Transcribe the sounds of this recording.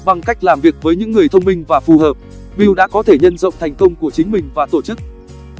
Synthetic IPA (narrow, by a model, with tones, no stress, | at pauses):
ɓa˨˩ŋka˦˥jk̟̚laː˨˩mvi˨˩ək̚vəː˨˦jɲɨ̰˧˥ŋːɨ˨˩əjt̪ʰə˧wŋ͡mmï˧ŋ̟vaː˨˩fu˨˩həː˨˩p̚ | ɓi˧wɗa̰ː˧˥kɔ˨˦t̪ʰe˧˩ɲə˧nzə̰˧˨wŋ͡mt̪ʰa˨˩ŋ̟kə˧wŋ͡mku˧˩ət͡ɕï˨˦ŋ̟mï˨˩ŋ̟vaː˨˩t̪o˧˩t͡ɕɨ˦˥k̚